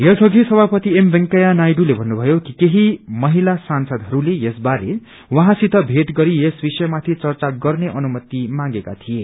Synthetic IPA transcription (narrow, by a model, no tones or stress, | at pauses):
jʌsʰʌɡʱisʌbʱapʌt̪iembeŋkʌjanajɖulebʱʌnːubʱʌjokikeɦimʌɦilasansʌd̪ɦʌɾulejesbaɾe | wʌɦãsit̪ʌbʱeʈ̪ɡʌɾijesbisʌjmat̪ʰit͡sʌrt͡saɡʌrneʔʌnumʌt̪imãŋɡeka̰t̪ʰije